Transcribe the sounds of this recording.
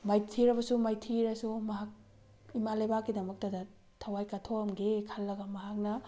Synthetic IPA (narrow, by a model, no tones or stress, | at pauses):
majtʰiɾɐbɐsumajtʰiɾɐsumɐɦak̚ | imalajbakːidɐmɐk̚tɐdɐ | tʰɐwajkɐtʰoɐmɡekʰɐlːɐɡɐmɐɦak̚nɐ